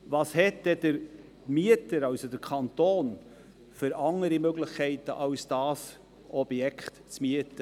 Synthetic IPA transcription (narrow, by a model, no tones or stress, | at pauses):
vɑːshɛtːɛd̥əɾ | miətəɾɑwsodəɾkʰɑnt̪oːn | fʏɾɑŋəɾimøɡlɪχkʰɛɪtə̰ʔɑʊsd̥ɑːs | ʔɔb̥jɛkʰχtt͡smiətə